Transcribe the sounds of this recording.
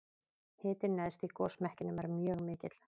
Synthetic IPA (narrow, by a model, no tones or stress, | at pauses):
hɪːt̪ɪnɛðst̪ikɔːsmɛhcɪnʏmɛɾmjœːɣmɪːcɪt̪l̥